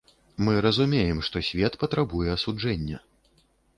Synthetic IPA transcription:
mɨɾɐzumʲejɛmʂt̪ɔsʲvʲɛt̪pɐt̪ɾabujɛɐsud͡ʐɛnʲːɐ

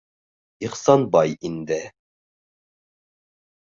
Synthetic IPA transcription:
iχsɑnbɑjind̪ɪ

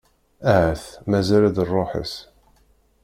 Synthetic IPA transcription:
æhæθmæzælæðərˤːoħə̰s

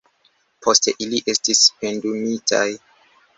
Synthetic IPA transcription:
pʰo̞steʔiliʔestispendumitʰa̰j

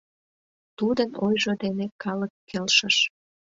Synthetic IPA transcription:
t̪ud̪ənojʒod̪enekɑləkːelʃəʃ

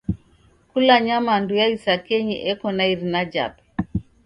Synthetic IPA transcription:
kulaɲamandujaisakɛɲiʔɛkɔnaiɾinad͡ʒa̰pɛ̥

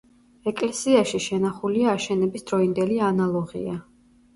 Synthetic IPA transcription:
ɛkʼlɛsiaʃiʃɛnaχuliaːʃɛnɛbisd̪ɾɔind̪ɛlianalˠɔʁḭa

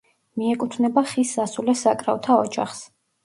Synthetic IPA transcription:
miɛkʼut̪ʰnɛbaχisːasulɛsakʼɾa̰ɔt̪ʰaɔd͡ʒa̰χs

